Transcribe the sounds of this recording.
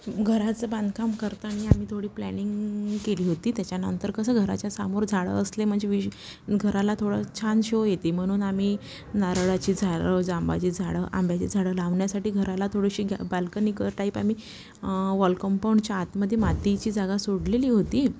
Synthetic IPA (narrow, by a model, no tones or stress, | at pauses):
ɡʱəɾat͡səbãnd̪ʱəkamkəɾt̪əaɽ̃iam̤iːt̪ʰoɽiːplæ̰niŋɡkeliːɦot̪iːt̪jat͡ɕjanə̰nt̪əɾkəsəːɡʱəɾa̰t͡ɕjasamoɾd͡zʱaɽə̰əslem̤əɳd͡zeʋi | ɡʱəɾalat̪ʰoɽət͡ɕʰanɕoojet̪iːm̤əɽ̃uːnamiː | naɾɭat͡ɕiːd͡zʱaɭəd͡zamba̰t͡ɕiːd͡zʱaɽə̰ːʔa̰mbʱjat͡ɕiːd͡zʱaɽəlaʋɳjasaʈiːɡʱəɾalat̪ʰoɽəɕiːɡʱa̰balkəniːkəʈaɦiːpamiː | ʋɔlkəmpawɳɖt͡ɕjaːt̪məd̪ʱːjemat̪it͡ɕiːd͡zaɡasoɽleliːɦot̪iː